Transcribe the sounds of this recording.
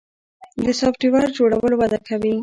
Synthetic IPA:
d̪əsɑfʈiwɑɾd͡ʒoɽawəlowad̪akʰawi

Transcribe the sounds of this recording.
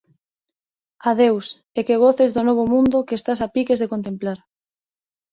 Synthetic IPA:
aðews | ekeɣ̞oθezðʊnɔβ̞omũnd̪okeːst̪asapikezðekont̪emplaɾ

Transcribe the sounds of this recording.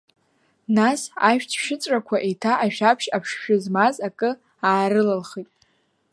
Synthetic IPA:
nasa̰ʃᶣtʰʃɪt͡sʷʼrakʷʰaʔetʰaʔaʃᶣapʰʃapʰʂʃᶣʊzmazakʼɨ | aːɾɨlalχitʼ

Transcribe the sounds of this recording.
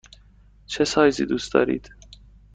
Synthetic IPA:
t͡ʃʰesɒːjziːd̪uːst̪ɒ̰ːɾḭːd̪̥

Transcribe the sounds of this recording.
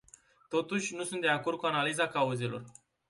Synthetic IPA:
t̪o̞t̪uʃʲnusunt̪d̪e̞ako̞rd̪̚kuanalizakauze̞lo̞̰r

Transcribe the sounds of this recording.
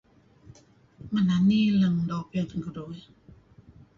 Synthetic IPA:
mananːiːlaŋdɔpint̪ʰakʰɯdoːj

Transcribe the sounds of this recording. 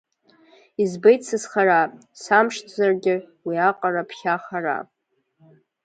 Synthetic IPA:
izbejtsɨzχaɾasamʂtʰzarɡʲɪwiaqʼarapʰχʲaχara̰

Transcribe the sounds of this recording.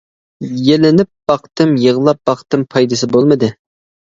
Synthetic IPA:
jelɪnɪp̚b̥ɑqt̪ɨmjəʁlˠɑp̚b̥ɑqt̪ɨmpʰɑjd̪ɨsɨbolˠmɨd̪ɨ

